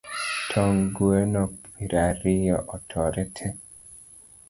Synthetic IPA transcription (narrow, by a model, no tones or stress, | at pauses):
tʰɔŋɡuenɔk̚piɾaɾijɔʔɔtʰɔɾɛtʰe